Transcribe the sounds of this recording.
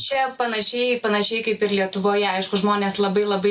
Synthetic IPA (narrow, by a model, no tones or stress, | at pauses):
t͡ʃʲɛpɐnɐʃʲɛɪpɐnɐʃʲɛɪkɐɪpɪrlʲiɛt̪ʊʋoːjɛɐɪʃkʊʒmoːnʲeːslˠɐbɐɪlˠɐbɐɪ